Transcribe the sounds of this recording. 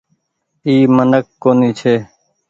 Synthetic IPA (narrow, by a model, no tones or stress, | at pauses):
iːmənəkːoːniːt͡ʃʰeː